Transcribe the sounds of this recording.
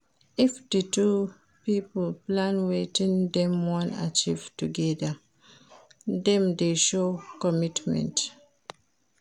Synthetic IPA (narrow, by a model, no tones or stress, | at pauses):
ifditu | piplplãnwetĩndɛ̃mwɔ̃na̰t͡ʃiv̥tuɡɛda | dɛ̃mdeʃokɔmitmɛ̰̃nt